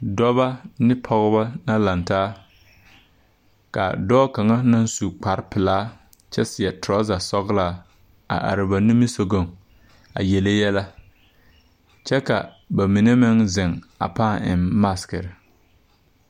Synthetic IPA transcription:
dɔ˦βa˦nɪ˦pʰɔ˨ɣʊ˦ba˦na˦la˨ntaː˦ | ka̰˨dɔː˦ka˨ŋa˦na˦n˦su˨k͡pa˨ɾpɪ˨laː˦ | t͡ʃɛ˦sɪ˨ɛ˨tɾɔ˦za˨sɔ˦ɣlaː˦ | a̰˨ʔa̰˨ɾɪ˨ba˨ni˦mi˦so˨ɡo˦˨ŋ | a̰˨jɛ˨le˦jɛ˦la˦ | t͡ʃɛ˦ka̰˨ | ba˨mi˨ne˦mɪ˦ŋzɪ˨ŋ | a̰˨paː˦˨ɪ̰˨mːa˦skɪ˨ɾɪ˨

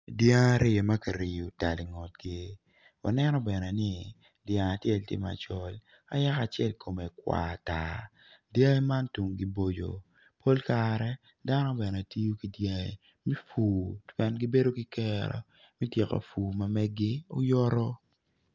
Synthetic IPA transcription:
dja˦ŋa˦ɾɪ˦e˨ma˦ka˨ɾi˨ju˨ta˨li˨ŋɔ˨t̚ɡe˦ | wa̰˨nɛ˦nɔ˦bɛ˨nɛ˨nɪ˦ | djã˨ŋa˨tjɛ˦˨ltɪ̰˦ma̰˨t͡ʃɔ˦l | a̰˦ja˦ka˨t͡ʃɛ˦lkʰo˨me˨kwa̰˨ta̰˨ | dja˦e˦ma˦ntu˨ŋɡi˦bo˦d͡ʒo̰˨ | pʰo˦lkaɾɛ˦ | da˦nɔ˦bɛ˨nɛ˨a˨ti˦jo˦ki˨dja˦e˨ | mɛ˦fuː˨twɛ˦nɡi˦be˦do˦ki˦kɛ˦ɾɔ̰˨ | mi˦tjɛ˨ka̰˨fuː˨ma˨mɛ˦ɡɪ˦o˦jɔ˦ɾɔ˦

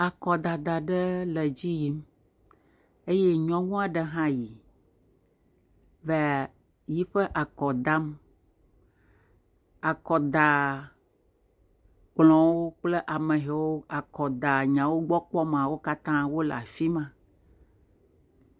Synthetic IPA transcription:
a˨kɔ˨d̪a˨d̪a˨ɖə˦le˨d͡ʑi˦ji˨˦m | e˦je˦ɲɔ̃˦ŋũ˦a˨ɖə˦ɦã˦ji˨ | ve˨˦˨ | ji˦ɸə˦ʔa˨kɔ˨d̪a˦m | a˨kɔ˨d̪a˨ | k͡plɔ̃˨wo˦k͡ple˦ʔa˨mə̃˨ɦe˨wo˦a˨kɔ˨d̪a˨ɲã˨wo˦ɡ͡bɔ˦k͡pɔ˦m˨ã˨wo˦ka˦t̪ã˦wo˦l̰a̰˨fi˦mã˨

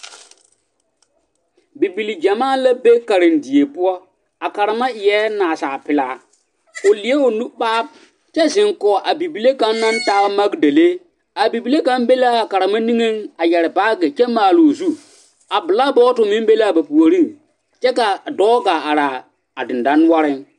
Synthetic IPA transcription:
bi˨bi˨li˨d͡ʒa˨maː˦la˦be˦ka˨ɾɪ˨ndi˨e˨pʊ˦ɔ˦ | a˨ka˨ɾa˨ma˦ɪ˨jɛ˦naː˨sa˨pɪ˨laː˨˦ | ʊ˨lɪ˨e˦ʊ˨nu˦ɓaː˦b̚ | t͡ʃɛ˦zɪ˨ŋkɔː˨ʔa˨bi˨bi˨le˦ka˦nːa˦n˦taː˦ma˦ɡde˨le˦ | a˨bi˨bi˨le˦ka˦mbe˦laː˦a˨ka˨ɾa˨ma˦ni˦ŋe˦ŋa˨jɛ˨ɾɪ˨ba˦ɡɛ˨t͡ʃɛ˦maː˨lo˨zu˦ | a˨bɪ˨la˦bɔː˦tʊ˨mɪ˦m˦be˦la˦˨ba˨pu˨o˨ɾi˦ŋ | t͡ʃɛ˦ka˨dɔː˦ɡaː˨a˨ɾaː˨ | a˨dɪ˨n˨da˦n˦a˦ɾɪ˦n

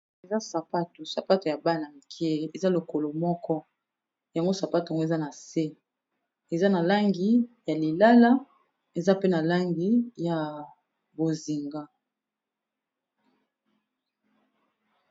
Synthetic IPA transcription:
e˨za˦sa˨pa˦tu˨sa˨pa˦to˨ja˨ba˦˨na˨m˨kʰi˦e˦e˨za˦lo˨ko˨lo˨mɔ˦kɔ˦ | ja˨ŋɡo˦sa˨pa˦ta˨ŋɡo˦e˨za˦na˨se˦ | e˨za˦na˨la˦ŋɡi˨ja˨li˨la˦la˦ | e˨za˦pe˦na˨la˦ŋɡi˨ja˨ | bo˨zi˨ŋɡa˦

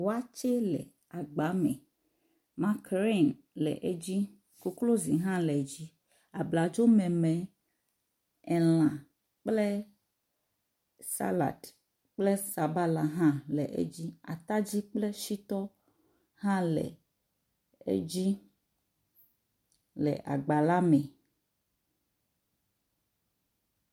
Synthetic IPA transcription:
wo˦a˦t͡ʃe˦lɛ̰˨ | a˨ɡ͡ba˨˦mɛ̰̃˨ | mã˦kɾe˦˨n | lɛ̰˨ʔe˦d͡ʑi˦ | ku˦klo˦zi˨ɦã˦lɛ˨d͡ʑi˦ | a˨bla˨d͡ʒo˦mɛ̃˨mẽ˨ | ɛ˨l̃ã˨ | k͡ple˦ | sa̰˦la̰˨t | k͡ple˦sa˨ba˦la˨ɦã˦lɛ˨ʔḛ˦d͡ʑi˦a̰˨t̪a˦d͡ʑi˦k͡ple˦ʃi˦t̪ɔ˦ | ɦã˦lɛ̰˨ | ḛ˦d͡ʑi˦ | lɛ̰˨ʔa̰˨ɡ͡ba˨la˦mɛ̃˨

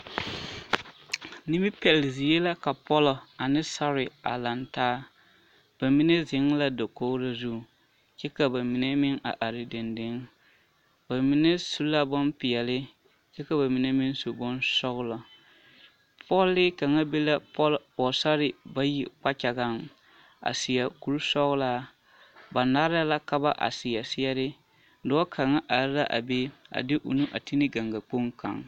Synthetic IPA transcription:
nɪ˦mɪ˦pɛ˨lɪ˨zi˨je˦la˦ka˨pɔ˦lɔ˨a˨nɪ˦sa˦ɾɪ˨a̰˨la˨ntaː˦ | b̥a˨mi˦ne˦zɪ˨˦ŋla˦do˨ko˦la˦zu˦˨ | t͡ʃɛ˦ka˨ba˨mi˨ne˦mɪ˦ŋa̰˨ʔa˨ɾɪ˨dɪ˨ndɪ˦ŋ | ba˨mi˨ne˦su˦la˦bo˦mpɪ˨jɛ˨lɪ˦ | t͡ʃɛ˦ka˨ba˨mi˨ne˦mɪ˦n˦so˨bo˦nsɔ˦ɣʊ˦la˨ | pʰɔ˦lːɪ˦ka˨ŋa˦be˦la˦lpɔ˨sa˦ɾɪ˨ba˦ji˨k͡pa˦t͡ʃa˨ɡa˦˨ŋ | a̰˨sɪ˨ja˨ku˨ɾu˦sɔ˦ɣʊ˦laː˦ | ba˨na˦ɾa˦la˦ka˦ba˦ʔa̰˨sɪ˨ja˨sɪ˦ɛ˦ɾɪ˦ | dɔ˦ɔ˦kʰa˨ŋa˦ʔa˨ɾɪ˦la˦ʔa̰˨be˦a̰˨dɪ˦ʔṵ˨nu˦ʔa̰˨ti˦nɪ˦ɡa˨ŋɡa˨k͡po˦ŋka̰˨ŋ

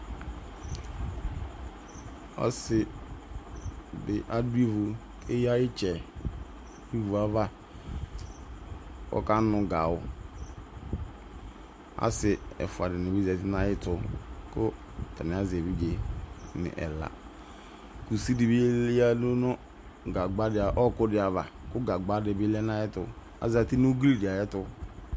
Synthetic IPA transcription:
ɔ̰˦sɪ˨ | bɪ˨ʔa˦du˦e˦vʊ˨ | e˦ja˦ɪ˦t͡ʃʰɛ˨ | i˦vu˨a˦va˦ | ɔ̰˦ka˦nʊ̃˨ɡa˨wʊ˨ | a̰˦sɪ˨ɛ̰˨fʊ˨a˨dɪ˨nɪ˨bi˦za˨tɪ˦na˦jɪ˦tʊ˨kʊ˦˨ | ta˨nɪ˨a˦ze˨bi˦ɡe˨nɪ̰˨ʔɛ̰˨la̰˨ | ku˨si˦di˨bi˦ja˦no˦nʊ˦ | ɡa˨ɡ͡ba˦dɪ˨a˨ʔɔ˦˨kʊ˦dɪ˨˦a˨va˨kʊ˦ɡa˨ɡ͡ba˦dɪ˨bɪ˦lɛ˦na˦jɛ˦tʊ˨ | a̰˨za˨ti˦n˦u˦ɡli˦dɪ˨a˨jɛ˦tʊ˦

